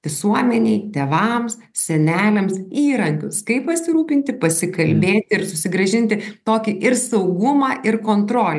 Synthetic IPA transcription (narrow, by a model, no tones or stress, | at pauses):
ʋʲɪsuɔmʲɛnʲɛɪt̪ʲeːʋɐms | sʲɛnʲæːlʲɛmsiːɾɐŋʲkʲʊskɐɪppɐsʲɪɾuːpʲɪnʲt̪ʲɪpɐsʲɪkɐlʲbʲeːt̪ʲɪɪɾsʊsʲɪɡɾɐʒʲɪnʲt̪ʲɪt̪oːkʲɪʔɪɾsɐʊɡʊmɑːʔɪɾkoːnt̪ɾoːlʲ